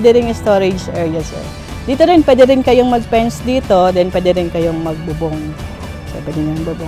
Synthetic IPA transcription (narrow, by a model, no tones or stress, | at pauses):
d̪ɛɾɪŋɪst̪oːɾɪd͡ʒʔɛːɹjɐsɛ̰ɾ | d̪iːt̪onɪnpwɛːd̪ɛɾɪnkɐjoŋmɐɡ̚pɛnsd̪iːt̪o̞d̪ɛnpwɛːd̪ɛɾɪnkɐjoŋmɐɡ̚bʊboŋ | sɛ̰pɛd̪ɪnɐŋbʊbo